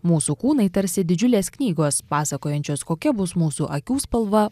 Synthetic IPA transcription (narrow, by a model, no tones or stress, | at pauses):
muːsuːkuːnɐɪt̪ɐɾʲsʲɪd̪ʲɪd͡ʒʲʊlʲeːsknʲiːɡoːspɑːsɐkoːjɛnʲt͡ʃʲoːskoːkʲɛbʊsmuːsuːʔɐkʲuːspɐlˠʋɐ